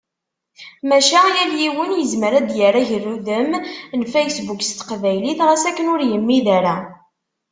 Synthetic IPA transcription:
mæʃæjæljiwənjəzməɾæd̪jəɾæʝərːuðəmnfejsbukst̪ə̥qvæjliθʁæsækːənʊɾjəmːiðæɾæ

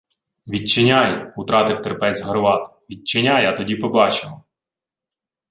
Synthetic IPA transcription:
ʋʲid̚t͡ʃɪnʲajʊt̪ɾɑt̪ɪwt̪erpɛt͡sʲɦɐɾʋɑt̪ | ʋʲid̚t͡ʃɪnʲajɐt̪ɔdʲipɔbɑt͡ʃɪmɔ

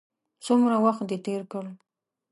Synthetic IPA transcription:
sʊmɾawaxt̪̚d̪et̪eɾkəl

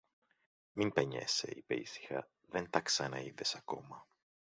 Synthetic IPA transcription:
mimpeɲḛsḛipeisi̥xɐ | ðent̪ɐksɐnɐiðesɐko̞̰mɐ

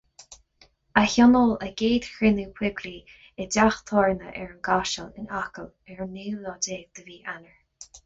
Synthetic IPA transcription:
açɔnɔləɡ̥eːd̪̥xɹɪnukʰwɪɡɾiː | ɛdaxt̪ʰɔːɹnəʔɛɹənɡaʃəlɪ̰nakəl | ɛɹənːiːlɔdeːɡ̚d̪̥əviːʔanəɹ

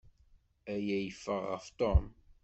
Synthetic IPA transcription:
æjæjəfːəʁːə̰ft̪ˤɔm

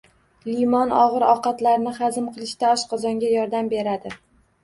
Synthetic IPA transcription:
limɒnɒʁɨɾɒ̰qɑt̪laɾnɪχazɪmqʰɨlˠɪʃt̪aɒʃqʰɒzɒŋɡʲajɒɾd̪ambe̞ɾad̪ɪ

